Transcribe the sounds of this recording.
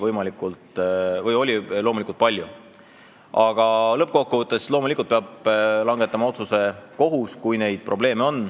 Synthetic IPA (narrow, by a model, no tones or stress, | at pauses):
vɤjmɑlikːˑult̪vɤjo̞lʲilo̞mulikult̪̚pɑlʲju | ʔɑɡ̥ɑlɤp̚ːko̞kːuvɤt̪ːˑeslo̞ːmulikult̪peɑblɑŋɡ̥e̞t̪ːˑɑmɑo̞t̪suse̞ko̞ɦuskujne̞jd̪̥̚pro̞ble̞ːmeo̞nː